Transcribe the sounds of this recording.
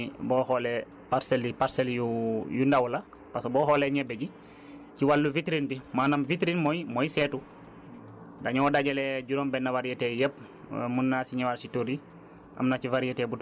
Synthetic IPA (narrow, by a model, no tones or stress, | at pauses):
bɔːhole | paɾselːipaɾseljujundawla | pasboːɦoleɲɛbeɟi | ciwalːuvitɾindimaːnamvitɾinmojmojsetu | daɲɔodaɟelɛɟuɾombɛnːavaɾietejep̚ | munːasiɲawaɾsituɾi | ʔa̰mnat͡ʃivaɾietebu